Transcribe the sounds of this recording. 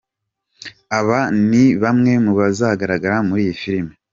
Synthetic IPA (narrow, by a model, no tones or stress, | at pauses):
aβaniβamŋe̞muβazaɡaɾaɡaɾamuɾiːjifiɾime